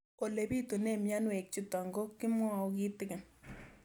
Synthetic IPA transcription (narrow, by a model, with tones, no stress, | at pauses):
o˨le˨bi˦tu˨ne˦˨mja˦nwe˨k̚t͡ʃi˨ta˨ŋɡo˦kːɪ˦mwa˦˨ki˦tɪ˦kɪ˨n